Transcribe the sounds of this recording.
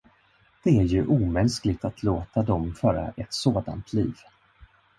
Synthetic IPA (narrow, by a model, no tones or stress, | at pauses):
d̪̥ɛæɾjɵʔuːmɛnsklɪɡ̚t̪at̪ʰloːt̪ad̪ɔmfœːɾa̰ʔɛt̪soːd̪a̰nt̪ʰliːv